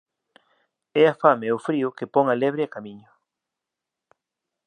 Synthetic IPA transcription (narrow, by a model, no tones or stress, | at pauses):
ɛafameʊfɾiʊkepɔŋalɛβɾɪakamiɲʊ